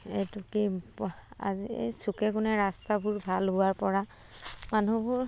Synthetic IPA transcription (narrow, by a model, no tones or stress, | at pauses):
etuki | a̰z̰sukɛkʊnɛɹastabʊɹbʱalɦʊaɹpɔɹa | manubʊɹ